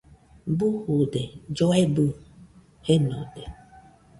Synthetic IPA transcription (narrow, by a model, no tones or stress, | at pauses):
buhuded͡ʒɔebu | henɔ̰de